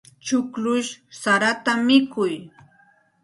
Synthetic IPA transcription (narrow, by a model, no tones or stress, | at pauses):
t͡ʃʊklʊʃsaɾat̪amɪkʊj